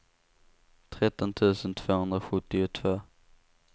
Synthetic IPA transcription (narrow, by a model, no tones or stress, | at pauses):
t̪ʰɾɛt̪ːɔnt̪ʰʉ̟ːsənt̪ʰv̥oːhɵnd̪ɾaɧɵt̪ːɪʊt̪ʰv̥oː